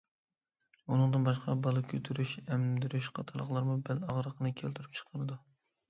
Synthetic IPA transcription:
unɨŋd̪ɨnbɑʃqɑbɑlˠɨkʲʰøt̪ʰyɾyʃɛmd̪yɾyʃqʰɑt̪ʰɑɾlˠəχlˠɑɾmubælɑʁɾəqʰənɨkʲʰelt̪ʰyɾyp̚t͡ʃʰə̥qʰəɾɨd̪u

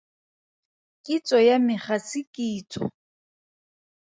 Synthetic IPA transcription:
kʼit͡sʼɔjamɪχasɪkʼiːt͡sʼɔ̰

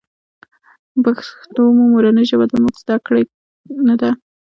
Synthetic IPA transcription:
baxt̪omumuɾanəʒawad̪amuɡzd̪akɽaj | nad̪a

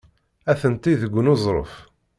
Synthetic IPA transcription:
æθənt̪iðəɡʷːənozˤɾˤə̰f

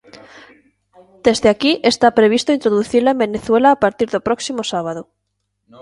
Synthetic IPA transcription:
d̪̥ezðeakiʔest̪apɾeβ̞ist̪oint̪ɾoðuθiɾlaembeneθwelaːpaɾt̪iɾðopɾoksimosaβ̞aðo

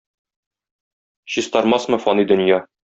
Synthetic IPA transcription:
ɕist̪ɒɾmɑsmɤ̆fɒnid̪ɵ̆njɑ

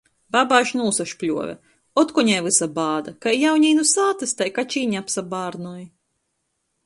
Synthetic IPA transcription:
babaːʃnuːsaʃklʲṵɔvʲɛ̰ | ɔt̪kuɲɛjlɨsabaːd̪akajjawɲiːnusaːt̪ɨst̪ajkat͡ʃiːɲapsabaːɾnuj

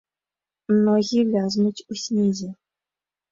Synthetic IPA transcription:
mnoɣʲilʲɑznut͡ɕʲusʲnʲezʲe

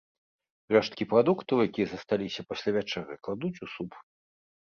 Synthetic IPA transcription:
rɛʂt̪̚kʲipɾad̪ukt̪ɐwjakʲijɐzɐst̪alʲisʲɐpasʲlʲavʲat͡ʂɛɣɐjklˠad̪ut͡sʲusup

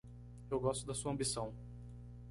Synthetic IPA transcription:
ewɡɔst̪ʊd̪ɐsuɐ̃bisɐ̃w̃

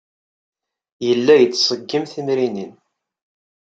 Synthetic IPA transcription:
jəlːæjət͡sːsˤəɡːimθimɾinin

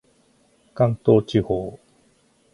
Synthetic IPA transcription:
kaŋt̪oːt͡ɕiho

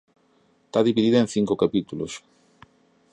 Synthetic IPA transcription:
t̪aðiβiðiðoẽnθiŋkokapit̪ulo̰s

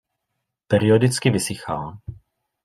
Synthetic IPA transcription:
pɛɾɪodɪt͡skɪvɪsɪxal

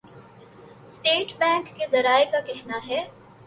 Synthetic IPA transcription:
sʈeːʈbɛ̃ːŋkːezɐɾaːekakɛɦnaɦɛː

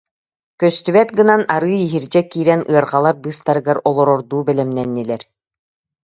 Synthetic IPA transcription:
kœst̪yβɛt̪ɡɯnanaɾɯːiɦiɾd͡ʑɛkiːɾɛnʔɯɐɾʁalˠaɾbɯːst̪aɾɯɡaɾɔlˠɔɾɔɾd̪uːbɛlɛmnɛnːilɛɾ

